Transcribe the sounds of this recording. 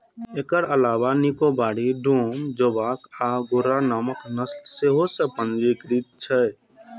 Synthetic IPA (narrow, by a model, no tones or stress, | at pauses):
ekəɾəlaːʋanikobaːɽid̪ʱuːmd͡ʒoʋaːkaɡʊɾanaːməknəstseɦosepənd͡ʒikɾit̪̚t͡ʃʰɛ